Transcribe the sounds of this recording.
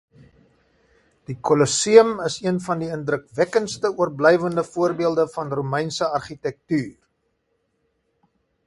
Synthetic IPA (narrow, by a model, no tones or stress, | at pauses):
d̥ikɔlɔsiəməsiənfɐndiəndrəkvækənstəuərblɛjvəndəfuərbiəlˠdəfɐnrumɛjnsəɐrχitɛk̚tyːr